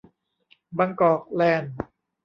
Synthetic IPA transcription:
baː˧ŋkɔː˨˩k̚lɛː˧˩n

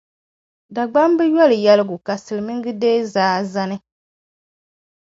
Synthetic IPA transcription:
da˨ɡ͡ba˦mbɨ˦jɔ˦lɨ˨jɛ˦lɨ˦ɡʊ˨ka˨sɨ˨lɨ˨mɨ˦ŋ˦ɡɨ˦deː˦zaː˦za˦nɨ˦

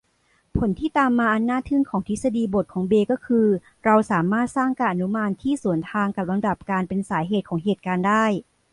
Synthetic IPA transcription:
pʰo˩˦nt̪ʰiː˥˩t̪aː˧mːaː˧ʔa˧nːaː˥˩t̪ʰɯ˥˩ŋkʰɔː˩˦ŋt̪ʰi˦˥sa˧diː˧bo˨˩t̪̚kʰɔː˩˦ŋbeː˧kɔː˥˩kʰɯː˧ | ɾa˧wsaː˩˦maː˥˩t̪̚saː˥˩ŋkaː˧nʔa˧nu˦˥maː˧nt̪ʰiː˥˩su˨˩˦ənt̪ʰaː˧ŋka˨˩p̚la˧nda˨˩p̚kaː˧npe˧nsaː˩˦jɦeː˨˩t̪̚kʰɔː˩˦ŋɦeː˨˩t̪̚kaː˧ndaː˥˩j

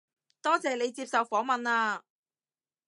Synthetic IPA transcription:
t̪ɔː˥t͡sɛː˨ne˨˧jt͡siː˧p̚sɐ˨wfɔː˨˥ŋmɐ˨naː˧

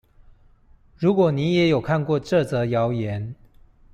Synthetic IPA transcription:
ɻu˧˥kwɔ˨˩ni˧˥jɛ˨˥jo˨˩ʊkʰa˥˧˨nkwɔ˥˧ʈ͡ʂɤ˥˨t͡sɤ˧˥jɑ˧˥ʊjɛ˧˦n

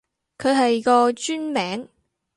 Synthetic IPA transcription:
kʰɵ˨˧ɥɦɐ˨jkɔː˧t͡ʃyː˥nmɛː˨˥ŋ

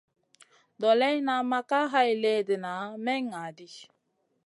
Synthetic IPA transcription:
dɔ˨lɛ˦jna˨˦ma˦ka˦ɦa˦jle˦də˨na˨˦mɛ˦ŋa˨di˦

